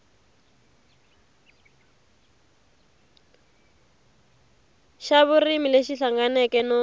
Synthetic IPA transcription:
ʃaβurimileʃiɬaŋɡanɛkɛnɔ

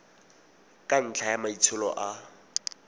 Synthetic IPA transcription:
kʼan̩t͡ɬʰajamait͡sʰʊlɔ̰ʔa

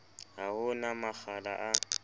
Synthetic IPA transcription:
aʊnamafala̰ʔa

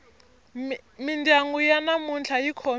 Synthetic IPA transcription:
mindaŋɡujanamunt͡ɬʰajikʰo

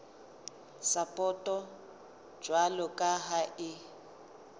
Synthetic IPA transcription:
sapʼɔtʼɔ̥ | d͡ʒwalɔkʼaɦaʔɪ

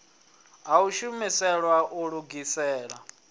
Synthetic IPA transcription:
ɦauʃumisɛɺwaʔuɺuɡisɛːɺa

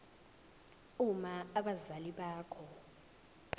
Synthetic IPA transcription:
umaaɓazaliɓaːkʰɔ

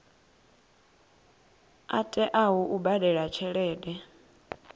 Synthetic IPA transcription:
a̰tʼɛʔawuʔubadɛɺat͡ʃʰɛɺɛːdɛ

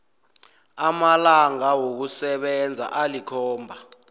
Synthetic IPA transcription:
amalaŋawok̬usɛɓɛnd͡zʱa̰ʔalikʰɔːmbʱa

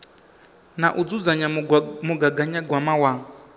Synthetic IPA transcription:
naʔud͡zud͡zaɲamuɡaɡaɲaɡwamawaː

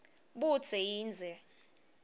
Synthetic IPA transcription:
ɓu̥t͡sʰɛjiːnd͡zʱɛ

